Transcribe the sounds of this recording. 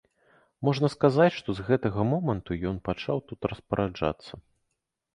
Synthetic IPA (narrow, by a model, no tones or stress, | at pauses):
mɔʐnɐskazat͡sʲʂt̪ɔzɣɛt̪ɐɣɐmɔmɐnt̪ujɔnpat͡ʂawt̪ut̪ɾɐspɐɾʔad͡ʐa̰t̪sːɐ